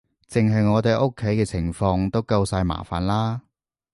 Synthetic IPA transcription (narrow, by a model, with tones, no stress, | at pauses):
t͡sɪ˨ŋɦɐ˨jŋɔː˨˧t̪e˨˧jʔʊ˥kʰːe˨˥jkɛː˧t͡sʰɪ˨˩ŋfɔː˧ŋt̪o˥wkɐ˧wsaː˧jma̰ː˨˩fa̰ː˨˩nlaː˥